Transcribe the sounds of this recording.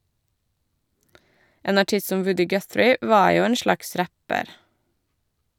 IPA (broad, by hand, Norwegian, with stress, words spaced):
ˈʔeːn ɑˈʈɪs ˈsɔm ˈʋʉdɪ ˈɡœθɾɪ ˈʔʋɑːɹ ˈjuː ˈeːn ˈʃlɑks ˈɾæpəɾ